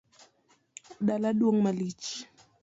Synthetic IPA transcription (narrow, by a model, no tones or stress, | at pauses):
ɗalaɗwɔŋmalit͡ʃ